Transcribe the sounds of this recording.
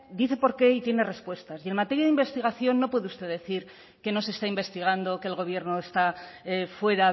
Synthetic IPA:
d̪iθe̞po̞ɾke̞it̪je̞ne̞re̞spwe̞st̪asie̞nmat̪e̞ɾjaðimbe̞st̪iɣaθjo̞nːo̞pwe̞ðeust̪e̞ðe̞θiɾ | ke̞no̞seːst̪aimbe̞st̪iɣ̞and̪okelɣo̞β̞je̞ɾno̞est̪afwe̞ɾa

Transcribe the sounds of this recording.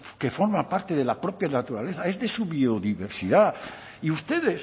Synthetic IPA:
kefo̞ɾmapaɾt̪e̞ðe̞lapɾopjanat̪uɾale̞θae̞zðesuβioðiβe̞ɾsiða | iust̪e̞ðes

